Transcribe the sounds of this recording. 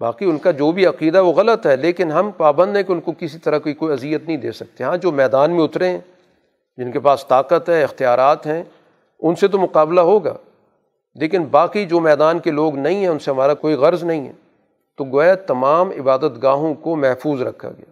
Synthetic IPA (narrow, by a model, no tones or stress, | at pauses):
baːqiʊnkad͡ʒoːbʱiɐqiːd̪aɛʋoɣɐlət̪ɦɛleːkɪnɦɐmpaːbə̃nd̪ɦɛ̃keʊnkokɪsit̪ɐɾakikoːiɐzijət̪nɐɦĩd̪ḛːsɐk̚t̪eɦãːd͡ʒoːmɛːd̪aːnmẽʊt̪ɾeɦɛ̃ː | d͡ʒɪnkepaːst̪aːqət̪ɦɛ̃ɪxt̪ijaːɾaːt̪ɦɛ̃ː | ʊnset̪̬omʊqaːblaɦoːɡa̰ː | leːkɪnbaːqid͡ʒoːmɛːd̪aːnkeloːɡnɐɦĩɦɛ̃ʊnseɦɐmaːɾakoːiɣɐɾznɐɦĩɦɛ̰̃ː | t̪oɡoːjat̪ɐmaːmɪ̰baːd̪ət̪ɡaːɦõkomɛɦfuːzɾɐ̰kʰːa̰ɡɐ̰jaː